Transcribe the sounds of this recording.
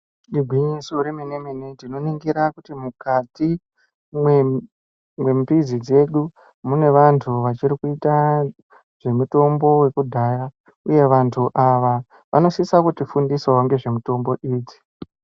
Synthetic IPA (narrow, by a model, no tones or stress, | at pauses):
ɗiɡʱwiɲisoɾemenemenendino̞niŋɡiɾakutimukati | mwe | mwe̞mpizid͡ze̞ɗu | mune̞ʋantʰuʋat͡ʃiɾikuita | ʐ̥e̞muto̞mbo̞we̞kudʱaːja | uje̞ʋantʰuʔaʋa | ʋʔa̰no̞sisakutifundiswawaŋɡe̞ʐe̞muto̞mbo̞ʔiːd͡zi̥